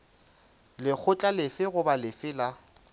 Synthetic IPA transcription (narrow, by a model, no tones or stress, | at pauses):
lɪk͡xʰʊt͡ɬʼalɪfɪɣʊbalɪfɪla